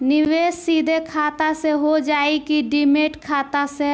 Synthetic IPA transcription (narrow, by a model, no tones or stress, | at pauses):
nɪʋeːsːiːd̪ʱekʰaːt̪aseɦod͡ʒaːekiɖɪmeːʈkʰaːt̪ase